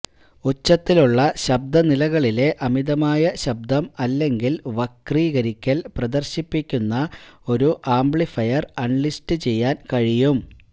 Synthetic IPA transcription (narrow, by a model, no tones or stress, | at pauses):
ot͡ɕːɐt̪ːiluɭːɐɕɐb̚d̪ɐnilɐɣɐɭile̞ʔɐmiðɐmaːjɐɕɐb̚d̪ɐmɐlːe̞ŋɡilʋɐkriːɣɐɾikʲːɐlprɐd̪ɐrɕipːikʲːunːɐo̞ɾuʔaːmbɭifɐjɐrɐɳlistɨt͡ɕe̞jːaːnkɐɻijum